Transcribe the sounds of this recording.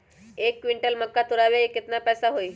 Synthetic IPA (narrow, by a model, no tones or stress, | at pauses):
ekːʋiɳʈəlməkːat̪uɾaʋeeket̪napɛjsaɦoi